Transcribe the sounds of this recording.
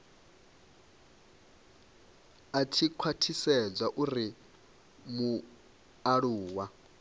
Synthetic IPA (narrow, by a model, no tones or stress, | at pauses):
atʰikʰwatʰisɛd͡zʷaʔuɾi | mu | aɺuːwa